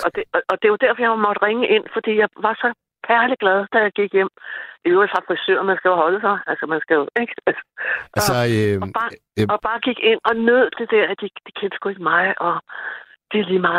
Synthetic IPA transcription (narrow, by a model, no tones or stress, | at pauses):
ʔɒ̽d̥eɒʔɒ̽d̥e̝ʋɑd̥æɐ̰fɒ̽jɑ̈ɪmɒ̽d̥ʁeŋəʔe̝n̰fɒ̽d̥ḭːjɑ̈ɪʋɑ̈sɒ̽ | kʰæɐliɡ̥læð̞ˠd̥æjɑ̈ɪɡ̥iɡ̥jem̰ʔiɐfʁɑ̈fʁɛsø̰ɐnmænsɡ̥æhɒ̽ləsɑ̈ɪʔælsɒmænsɡ̥æeɡ̥ælsə̥æsb̥ɑ | ɒ̽b̥ɑ̈ːɡ̥iɡ̥e̝n̰ɒ̽nøð̰ˠt͡se̝d̥æɐ̰æd̥id̥ikʰend̥əsɡ̥ue̝ɡ̥əmɑ̈ɪʔɒ̽ | d̥eliːmɑ̈ː